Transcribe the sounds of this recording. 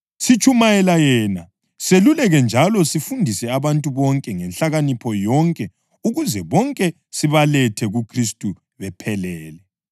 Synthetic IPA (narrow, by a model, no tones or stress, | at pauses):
sit͡ʃʰʼumajɛlajɛna | selulɛɣɛnd͡ʒʱalɔsifundʱisɛaβantʼuβɔŋkʼɛŋɛnɬaɣanipʰɔjɔŋkʼɛ | uɣuzɛβɔŋkʼɛ | siβalɛtʰɛɣukʰristʼu | βɛpʰɛlɛːlɛ